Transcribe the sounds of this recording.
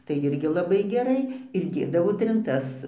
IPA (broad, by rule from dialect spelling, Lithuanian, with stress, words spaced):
tɐɪ ˈɪrʲɡʲɪ lˠɐˈbɐɪ ɡʲɛˈrɐɪ ɪr ˈdʲeːdɐʋoː tʲrʲɪnˈtɐs